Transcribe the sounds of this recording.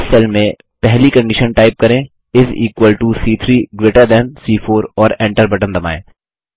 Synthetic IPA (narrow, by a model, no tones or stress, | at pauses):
sɛlmẽ | pɛɦlikɐ̃ɳɖɪʃənʈaːɪp̚kɐɾẽː | ɪzḭːkʋəlʈusiːt̪ʰɾiːɡɾeːʈəɾd̪ɛnsiːfʰoːɾɔːɾɛ̃ːɳʈəɾbɐʈə̃nd̪ɐma̰ːḛ̃ː